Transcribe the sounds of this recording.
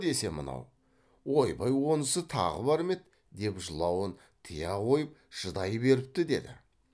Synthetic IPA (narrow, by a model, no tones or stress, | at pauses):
e̞se̞mə̰nɑ̰w | wo̞jbɑjwo̞nəsət̪ʰɑ̰ʁə̰bɑɾme̞t̪ | d̪e̞pʒəlˠɑwən | t̪ʰəjɑʁo̞jəp̚ʒ̥əd̪ɑjəbe̞ɾɪp̚t̪ɪd̪e̞̰d̪ɪ̰